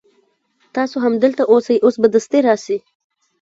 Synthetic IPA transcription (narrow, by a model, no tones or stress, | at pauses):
t̪ɑsoɦamd̪əlt̪aʔosajʔosbad̪əst̪eɾɑsi